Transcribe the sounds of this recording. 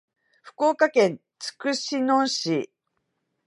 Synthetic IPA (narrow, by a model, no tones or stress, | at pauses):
ɸɯ̟̥ko̞ːkakẽ̞n | t͡sɨ̥kɯ̟ɕinõɰ̃ɕi